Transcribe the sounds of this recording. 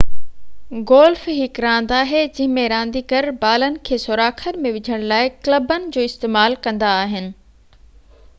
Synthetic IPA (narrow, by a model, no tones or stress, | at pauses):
ɡoːlfɦɪkɾãːnd̪aːɦed͡ʑɐ̃ɦɪ̃mẽɾãːnd̪ikəɾbaːlənɪ̆kʰeːsʊɾaːkʰəɾmẽʋɪd͡ʑʱəɽ̃laːɪkləbənɪ̆d͡ʑoːɪst̪eːmaːlkɐ̃nd̪aːɦɪnɪ̆